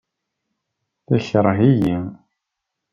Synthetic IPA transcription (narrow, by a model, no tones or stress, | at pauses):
θæçəɾˤɦijæ